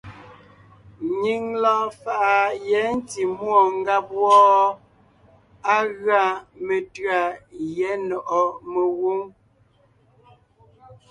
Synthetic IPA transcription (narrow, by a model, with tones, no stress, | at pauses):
ɲi˦ŋlɔ̃ː˦fa˨ʔa˨jɛ˨˦n̩˦ti˨mwɔ˦˨ŋ˦ɡa˦p̚wɔ˦ | a˦ɣɰa˨me˨tɰa˨jɛ˨˦nɔ˨ʔɔ˨me˨wu˦ŋ